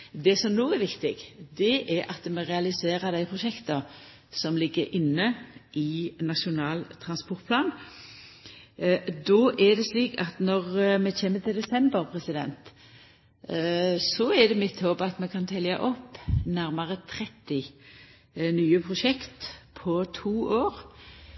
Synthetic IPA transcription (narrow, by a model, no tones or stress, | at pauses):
d̪ɛsɔmnoːɛɾʋɪkt̪ɪɡd̪ɛʔɛɾɑt̪mɛʁɛɑlɪseːɾəd̪æɪpʰʁʊʃɛkt̪ə | sɔmlɪɡːəɾʔɪnːəʔɪnɑʃʊnɑːlt̪ʰɾɑnspɔʁt̪̚pʰlɑːn | d̪ɔʔɛd̪ɛsliːkɑt̪nɔʁmɛçeːmət̪ʰɪld̪ɛsɛmbəɾpʰʁɛsɪd̪ɛ̰nt̪ | sɔɛd̪ɛmɪt̪hoːbɑt̪mɛkʰɑnt̪ʰɛljɑʔɔpːnæʁmɑʁət̪ʰɾɛt̪ːɪ | nyːəpʰʁʊʂɛkt̪pʰɔt̪ʰuːʔoːʁ